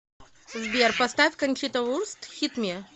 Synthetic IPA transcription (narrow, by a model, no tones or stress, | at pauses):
zbʲerpɐst̪afʲkɐnʲt͡ʃit̪ɐurst̪xʲit̪mʲe